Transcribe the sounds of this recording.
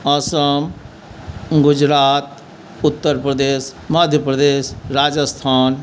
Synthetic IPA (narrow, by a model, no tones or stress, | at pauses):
ɔsəm | ɡʊd͡ʒɾaːt̪ | ʊt̪ːəɾpɾəd̪eːsməd̪ʱjəpɾəd̪eːsɾaːd͡ʒəst̪ʰaːn